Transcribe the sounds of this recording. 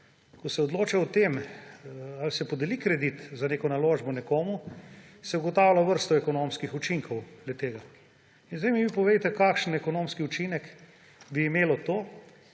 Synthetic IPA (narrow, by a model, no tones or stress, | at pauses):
kɔsɛɔd̪loːt͡ʃɛɔt̪em | alsɛpod̪elikɾɛd̪it̪zaneːkɔnaloːʒbɔnɛkoːmu | sɛuɡɔt̪awlaʋəɾst̪ɔɛkɔnomskixut͡ʃiŋkʰɔwd̪lɛt̪eːɡa | inzd̪ɛjmiʋipɔʋejt̪ɛkaːkʃən̩ɛkonoːmskiut͡ʃinɛk | biːmeːlɔt̪oː